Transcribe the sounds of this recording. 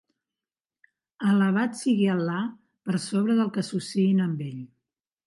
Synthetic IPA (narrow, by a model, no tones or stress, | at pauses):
ələβ̞at̪siɣiəlːa | pəɾsoβ̞ɾəðəlˠkəsusiinəmbeʎ